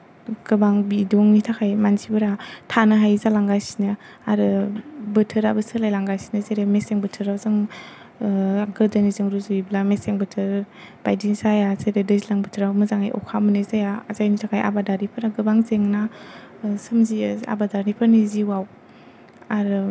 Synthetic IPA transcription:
ɡ̥ɯbaŋbidɔŋnitʰakʰajmansibɯɾatʰanɯɦajzalaŋɡajsi̥nɯ | aɾɯbɯtʰɯɾabɯsɯlajlaŋɡajsi̥nɯzeɾemeseŋbɯtʰɯɾawzaŋ | ɡɯɾdanizɯŋɾuzuiblameseŋbɯtʰɯɾ | b̥ajdisajazeɾedɯzilaŋbɯtʰɯɾawmɯzaŋa̰jʔɔ̰kʰamɯnɯzajaazajnitʰakʰajʔa̰badaɾipʰɯɾaɡɯbaŋzeŋna | sɯmzia̰badaɾnipʰaɾniziwaw | aɾɯ

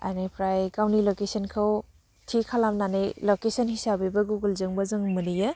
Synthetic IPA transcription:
a̰nepʰɾajkawnilokesɐnkʰɐw | tʰikʰalamnanelokesɐnhisabibɐɡuɡulzɯŋbɐzɯŋmɯnijɐ

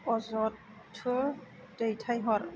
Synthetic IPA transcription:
ɔzɔtʰː | ɯ | d̥ejtʰajɦɔɾ

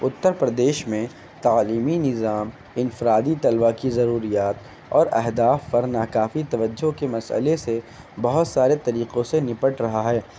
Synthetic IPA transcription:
ʊt̪ːəɾpɾɐd̪eːʃmẽ | t̪aːliːminɪzaːm | ɪnfɪɾaːd̪it̪ɐlʋakizɐɾuːɾijaːt̪̚ | ɔ̰ːɾɛɦd̪aːfːɐɾnaːkaːfit̪ɐʋəd͡ʒːokemɐsə̰lese | bɐɦʊt̪saːɾet̪ɐɾiːqõsenɪpəʈɾɐɦaɦɛː

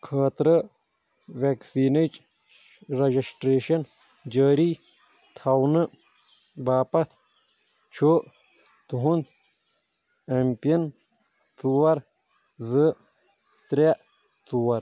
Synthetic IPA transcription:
kʰaːt̪ɾɐ | ʋeksiːnət͡ʃ | ɾɐd͡ʒisʈɾeːʃɐn | d͡ʒɐːɾi | t̪ʰawnɨ | baːpɐt̪ʰ | t͡ʃʰo | t̪uɦunt̪ | empijɐn | t͡suwɐɾ | zɨ | t̪ɾe | t͡suwɐɾ

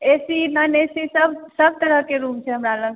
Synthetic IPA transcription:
esinənesisəbsəb̚ʱt̪əɾəɦkeɾumt͡ʃʰɛɦəmɾalə̃ŋɡ

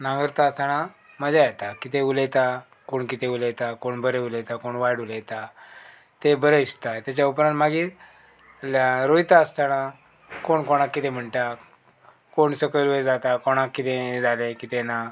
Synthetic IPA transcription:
nãŋɡəɾt̪aəst̪ana | məd͡ʑajɛt̪akit̪ẽulet̪a | koɳkit̪eulejt̪akoɳbəɾeulet̪akoɳʋajɽulejt̪a | t̪ebəɾəist̪at̪jat͡ɕaupɾãnmaɡiːɾ | ɾojt̪aəst̪ana | koɳkɔɽ̃akːit̪ẽm̤əɳʈa | koɳsəkəlʋed͡zat̪akɔɽ̃akːit̪ẽd͡zalẽkit̪ena

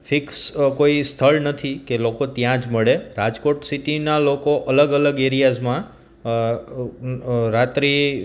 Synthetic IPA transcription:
fʰikskoist̪ʰəɭnət̪ʰikelokot̪jãd͡ʒməɭeɾad͡ʒkoʈsiʈinalokoʔələɡələɡeɾijazmã | ɾat̪ɾi

